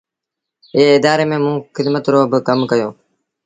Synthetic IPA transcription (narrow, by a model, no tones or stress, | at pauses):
ɪɦeːɪd̪aːɾeːmẽːmũːxɪd̪mət̪ɾoːɦbəkəmkəjoː